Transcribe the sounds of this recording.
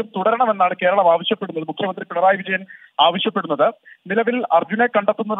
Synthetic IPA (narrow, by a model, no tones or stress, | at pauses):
umt̪uɽɐɾɐɳɐme̞nːaːɳɨke̞ːɾɐɭɐmaːʋɐɕjɐpːe̞ɽunːɐðɨmukʰjɐmɐnd̪ripɐɽɐɾaːjʋid͡ʑɐjɐn | aːʋɐɕjɐpːe̞ɽunːɐðɨnilɐʋilɐrd͡ʑune̞kɐɳɖet̪ːunːɐ